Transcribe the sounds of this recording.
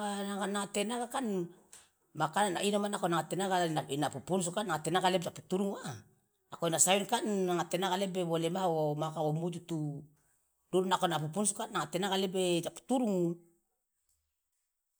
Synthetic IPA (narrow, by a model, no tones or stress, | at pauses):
aaɡanaŋate̞naɡakan | makananainomanakonaŋatenaɡanainapupuns̬ukanaŋate̞naɡaled͡ʒapu̥tuɾuŋa | akonasainkanːaŋate̞naɡalebeβo̞lemaomakaomud͡ʒutu | duɾunakonap̬upunsukanːaŋate̞naɡalebed͡ʒapu̥tuɾuŋ